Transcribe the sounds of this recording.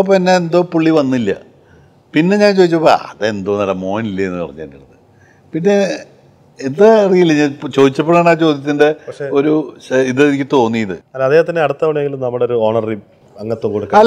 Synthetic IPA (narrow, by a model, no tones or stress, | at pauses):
opːinːeend̪o̞ːpuɭːiʋɐnːilːɐ̰ | pinːe̞ɲaːnt͡ɕo̞ːðit͡ɕːɐpːoɐ̰ðeend̪o̞ːnɐlːɐmo̞ːnilːɐenːɨpɐ̰rɐɲːa̰ːniɽunːɨ | pinːe̞ | end̪ɨɐrijilːiɲːat͡ɕo̞ːðit͡ɕːɐpːeɽaːɳaːt͡ɕo̞ːd̪jɐt̪̬ːindeɐʂeo̞ɾuiðeikʲːɨt̪o̞ːnːijiðɨɐðeːhɐt̪ɐnːeɐɽut̪ːɐʋɐɳeŋɡilumnɐmːuɽeoɾuoːɳɐri | ɐŋːɐt̪ːokoɽukːɐ